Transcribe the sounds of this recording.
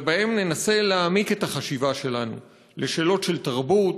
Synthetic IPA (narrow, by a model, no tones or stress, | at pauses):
bahe̞mne̞nase̞leamike̞taχaʃivaʃe̞lanṵ | le̞ʃe̞ːlo̞tʃe̞ltaʁbut